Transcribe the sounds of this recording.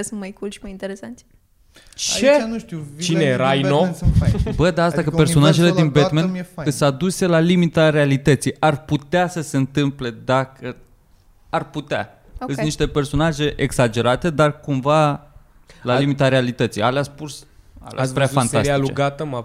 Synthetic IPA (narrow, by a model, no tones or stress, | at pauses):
esɨnt̪̚majkulʃimajint̪eɾesant̪sʲ | t͡ʃenuʃt̪it͡ʃt͡ʃineɾajnofabəd̪aast̪akəpe̞rso̞naʒeled̪inbet̪menfaɨsad̪use̞lalimit̪aɾealit̪ət̪sijarput̪easəse̞nt̪ɨmple̞d̪akʰə | arput̪ea̰ | ɨsniʃt̪e̞pe̞rso̞naʒe̞ʔeɡz̥ad͡ʒe̞ɾat̪e̞d̪arkumva | lallimit̪aɾealit̪ət̪sḭjaleaspus | a̰l̰spɾeafant̪asailut͡ʃɡat̪əm